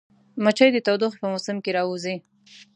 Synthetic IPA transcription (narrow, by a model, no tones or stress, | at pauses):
mat͡ʃəjd̪ət̪awd̪uxpəmʊsɪmkeɾɑwuzi